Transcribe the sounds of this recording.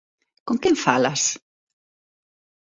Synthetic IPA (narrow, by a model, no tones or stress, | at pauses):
koŋkeɱfalas